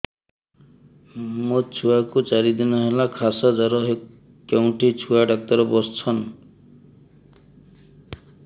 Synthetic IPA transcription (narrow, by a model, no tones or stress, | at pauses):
mot͡ʃʰuakut͡ʃaɾid̪inɔɦelakʰasɔd͡ʒɔɾɔɦe | kːawɳʈit͡ʃʰuaɖak̚t̪ɔɾɔbɔst͡sʰɔn